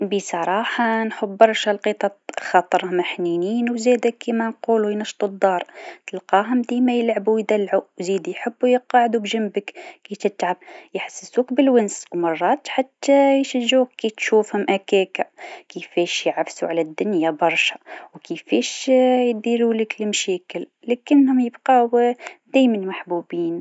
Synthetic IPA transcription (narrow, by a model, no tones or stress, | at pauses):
bisˤɑɾˤɑːħɑnħʊbːɑɾˤʃalqiːt̪ˤɑxɑt̪ˤɑɾˤmaħniːniːnwzeːd̪akːimænquːlujnɑʃt̪ˤud̪ˤːɑːɾˤt̪əlqɑːɦʊmd̪iːmæjəlʕabujd̪ælːʕuwziːd̪ijħəbːujəqɑːʕd̪ubʒambəkkit̪ɪt̪ʕab̚jɪħsːɪsuːkbɪlwʊnswmɑrˤːɑːt̪ħat̪ːajʃaʒːuːkːiːt̪ʃuːfhʊmʔakeːkakifeːʃjɪʕafsuʕalæd̪ːʊnjabɑɾˤʃḁwkifeːʃjd̪iːɾuːlɪklmʃɛːkɪl | lekɪnːhʊmjɪbqa | d̪̥æːjmanmaħbuːbiːn